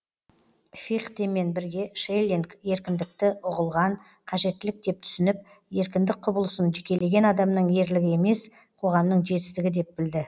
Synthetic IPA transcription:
fiχt̪eme̞nbɪɾɡʲe̞ʃejlʲiŋkje̞ɾkʲɪnd̪ɪk̚t̪ɪʊʁəlˠʁɑɴ | qʰɑʒe̞t̪ːɪlɪk̚d̪e̞p̚t̪ʰʏ̥sɪnɪp̚ | je̞ɾkʲɪnd̪ɪk̚qʰʊbəlˠəsənʒɪkʲe̞le̞ɡʲe̞nɑd̪ɑmnəɴje̞ɾlɪɡʲɪe̞me̞s | qʰo̞ʁɑmnəɴʒe̞t̪ɪ̥st̪ɪɡʲɪd̪e̞p̚bɪld̪ɪ

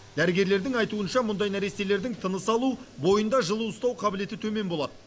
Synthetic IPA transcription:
d̪̥æɾɪɡʲe̞ɾle̞ɾd̪ɪŋɑjt̪uənʃɑmʊnd̪ɑjnæɾese̞le̞ɾd̪ɪŋt̪ʰənəsɑlˠubo̞jənd̪ɑʒəlˠuəst̪ɑwqʰɑbɪle̞t̪ɪt̪ʰɵme̞nbo̞lˠɑd̪ə

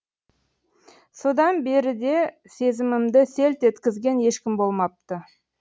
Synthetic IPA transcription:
so̞d̪ɑnbe̞ɾɪd̪e̞ | se̞zɪmɪmd̪ɪse̞lt̪e̞t̪kʲɪzɡʲe̞nje̞ʃkʲɪmbo̞lˠmɑp̚t̪ə

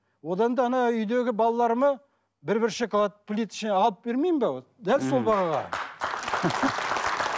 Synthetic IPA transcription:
wo̞d̪ɑnd̪ɑnɑʏjd̪e̞ɡʲɪbɑlˠɑlˠɑɾəmɑ | bɪɾbɪɾʃekɑlˠɑt̪pʰlʲit̪ɪ̥ʃɪneɑlˠəp̚be̞ɾmejmbed̪ælso̞lˠbɑʁɑʁɑ̰

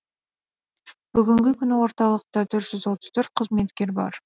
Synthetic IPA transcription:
b̥ʏɡʲɪŋɡʲɪkʲʰʏnɪwo̞ɾt̪ɑlˠəq̚t̪ɑt̪ʰʏɾt̪ʒ̥ʏzwot̪ə̥zt̪ʰɵɾt̪̚qʰəzme̞t̪kʲe̞ɾbɑ̰ɾ

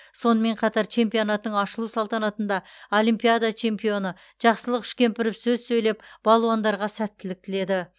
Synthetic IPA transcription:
so̞nəme̞ɴqʰɑt̪ɑɾt͡ʃʰe̞mpijo̞nɑt̪ːəɴɑʃəlˠusɑlˠt̪ɑnɑt̪ənd̪ɑolijmpijad̪at͡ʃʰe̞mpijo̞nə | ʒ̥ɑqsəlˠəqʰʏ̥ʃkʲe̞mpɪɾɪpsɵzsɵjlep̚b̥ɑlˠuɑnd̪ɑɾʁɑsæt̪ːɪlɪk̚t̪ɪle̞d̪ɪ

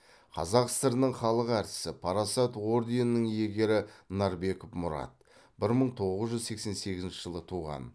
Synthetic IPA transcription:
qʰɑ̰zɑqst̪əɾnəɴχɑlˠəqæɾt̪ɪ̥sɪpʰɑɾɑsɑt̪woɾd̪enɪnəŋje̞ɡʲe̞ɾɪnɑɾbe̞kofmʊɾɑ̰t̪̚ | b̥ɪɾməɴt̪ʰo̞ʁəzʒʏzse̞kse̞nse̞ɡʲɪzɪnʃɪ̥ʒəlˠət̪ʰuʁɑ̰n

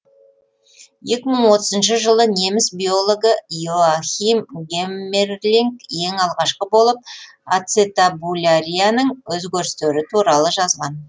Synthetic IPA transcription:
je̞kʲɪməɴwo̞t̪əzənʃəʒəlˠəne̞mɪsbijo̞lˠo̞ɡəjuaxʲimɡʲemːerlʲiŋkje̞ŋɑlˠʁɑʃqəbo̞lˠəp̚ | at̪set̪abulʲaɾʲijanəɴwɵzɡʲeɾɪst̪eɾɪt̪ʰuɾɑlˠəʒɑzʁɑn

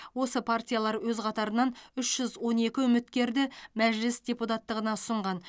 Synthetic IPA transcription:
wo̞səpʰartʲijalˠɑɾwɵzqʰɑt̪ɑɾənɑnʏʃʒ̥ʏzwo̞ne̞kʲɪʏmɪt̪kʲe̞ɾd̪ɪmæʒlɪsd̪ʲeput̪at̪ːəʁənɑʊ̥səɴʁɑn

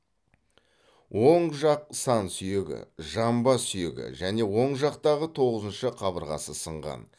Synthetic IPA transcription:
wo̞ɴʒɑq̚sɑnsʏje̞ɡʲɪ̰ʒɑmbɑsʏje̞̰ɡʲɪ̰ʒæne̞wo̞ɴʒɑq̚t̪ɑʁət̪ʰo̞ʁəzənʃəqʰɑbəɾʁɑ̰səsəɴʁɑ̰n

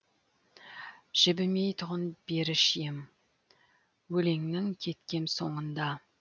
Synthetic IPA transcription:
ʒ̥ɪbɪme̞jt̪ʰʊʁənbe̞ɾɪʃɪjɪm | wɵle̞ŋnɪŋkʲʰe̞t̪kʲe̞nso̞ɴənd̪ɑ

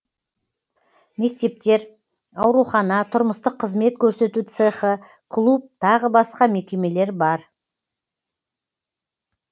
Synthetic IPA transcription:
me̞k̚t̪e̞p̚t̪e̞ɾ | ɑwɾuχɑnɑt̪ʰʊɾməst̪əqʰːəzme̞t̪̚kʲʰɵɾse̞t̪ut̪seχə | kʰlˠup̚t̪ʰɑʁəbɑsqɑme̞kʲe̞me̞le̞ɾbɑɾ

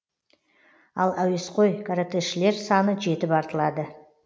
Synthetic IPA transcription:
ɑlˠæwe̞sqo̞jkʰaɾat̪ʰeʃɪle̞ɾsɑnəʒe̞t̪ɪpɑɾt̪əlˠɑd̪ə

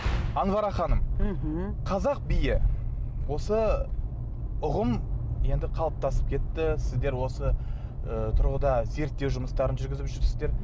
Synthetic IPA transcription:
ɑnvɑɾɑχɑnəm̩ | qʰɑzɑq̚bijɪwo̞sə | ʊʁəmje̞nd̪ɪqʰɑlˠəp̚t̪ɑsə̥p̚kʲʰe̞t̪ːɪsɪzd̪e̞ɾwo̞sə | ət̪ʰʊɾʁəd̪ɑze̞ɾt̪ːe̞wʒʊməst̪ɑɾənʒʏɾɡʲɪzɪpʒʏɾsɪzd̪e̞ɾ

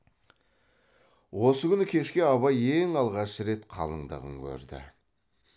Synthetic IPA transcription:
wosəkʲʏnɪkʲʰe̞ʃkʲe̞ɑβɑjeŋɑlˠʁɑʃəɾe̞t̪qʰɑ̰lˠə̰ŋd̪ə̰ʁəŋkʲʰɵ̰ɾd̪ɪ̰

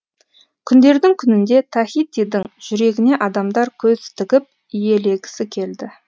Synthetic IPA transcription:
kʲʰʏnd̪e̞ɾd̪ɪŋkʲʰʏnɪnd̪e̞t̪ʰɑxit̪ːid̪ɪŋʒ̥ʏɾe̞ɡʲɪne̞ʔɑd̪ɑmd̪ɑɾkʲʰɵzt̪ʰɪɡʲɪp̚ | ije̞le̞ɡʲɪ̥sɪkʲʰe̞ld̪ɪ

